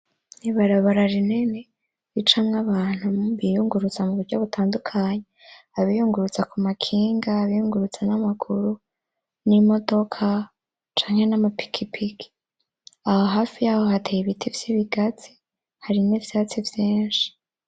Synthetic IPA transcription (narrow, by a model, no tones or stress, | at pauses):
niβaɾaβaɾaɾinene | it͡ʃamŋaβaːn̥huβijuŋɡuɾut͡samuβuɾɟaβutʰaːndukʰaɲe | aβijuŋɡuɾut͡sakumakʰiːŋɡaːβijuŋɡuɾut͡sanamakʰuɾu | nimo̞do̞kʰa | t͡ʃaːŋ̥e̞namapi̥kʰipʰikʰi̥ | ahoɦaːfijaːho̞ɦatʰejiβitʰivjiβiɡat͡si̥ | haɾiniːvjaːt͡sivjeːnʃi̥